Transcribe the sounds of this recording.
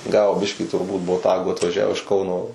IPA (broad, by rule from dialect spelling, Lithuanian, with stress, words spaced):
ˈɡɑːʋoː ˈbʲɪʃʲkʲiː tʊrˈbuːt boːˈtɑːɡuː ɐtʋɐˈʒʲæːʋoː ɪʃ ˈkɐʊnoː